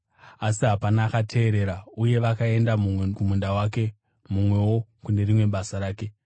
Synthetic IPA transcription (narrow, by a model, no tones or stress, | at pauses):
asiɦapanaːkatʰe̞ːɾe̞ːɾauje̞ʋakae̞ndamukumundawaːke̞ | mumwe̞wo̞kune̞rimwe̞ɓasaɾaːke̞